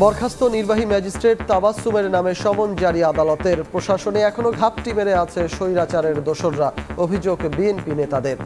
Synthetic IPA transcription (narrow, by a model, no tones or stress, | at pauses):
bɔɾkʰast̪oniɾbaɦimɛd͡ʑisʈɾeʈ̚t̪abasːumeɾnameʃɔmond͡ʑaɾiad̪alɔt̪eɾpɾoʃaʃoneɛkʰonoɡʱap̚ʈimeɾeat͡ɕʰeʃojɾat͡ɕaɾeɾd̪oʃonɾaobʱid͡ʑoɡbienpinet̪ad̪eɾ